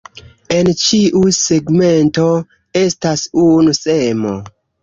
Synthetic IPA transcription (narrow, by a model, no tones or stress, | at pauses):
e̞nt͡ʃiʔuseɡme̞nto̞ | e̞stasunusemo̞̰